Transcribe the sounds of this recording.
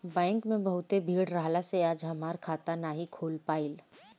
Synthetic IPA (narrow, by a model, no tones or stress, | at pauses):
bɛ̃ːŋkmẽbəɦʊt̪ebʱiːɽɾaːɦlaseaːd͡ʒɦɐmaːɾkʰaːt̪anaːɦikʰoːlpaːil